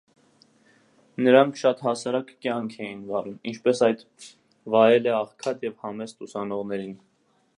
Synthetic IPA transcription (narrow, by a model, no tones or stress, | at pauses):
nəɾɑŋkʰʃɑt̪hɑsɑɾɑkːjɑŋkʰɛjinvɑɾumḭnt͡ʃʰpɛsɑjd̪ | vɑjɛlɛɑχkʰɑt̪jɛvhɑmɛst̪usɑnɔʁnɛɾin